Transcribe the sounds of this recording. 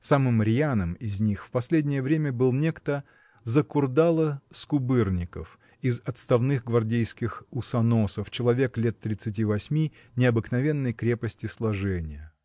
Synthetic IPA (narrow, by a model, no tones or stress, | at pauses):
samɨmɾʲɪanəmɪzʲnʲixfpɐsʲlʲedʲnʲɪjəvɾʲemʲəbɨlˠnʲekt̪ə | zəkʊrd̪alˠəskʊbɨrnʲɪkə̰f | ɪzɐt̪st̪ɐvnɨxɡvɐrdʲejskʲɪxʊsɐnosəft͡ɕɪlˠɐvʲeklʲet̪ːɾʲɪt̪sɨt̬ʲivɐsʲmʲi | nʲɪɐbɨknɐvʲe̞nːəjkɾʲe̞pəsʲtʲɪslˠɐʐɛnʲɪjə